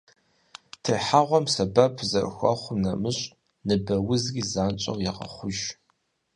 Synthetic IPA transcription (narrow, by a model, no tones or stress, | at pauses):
tʰeːħaʁʷɔmsɐbɐpʰzɐr̰xʷɐ̰χʷʊmnɐmɨɕʼ | nɨbɐwʊzɡʲizaːnt͡ʃʼɐ̰wjaqɐ̰χʷʊʒ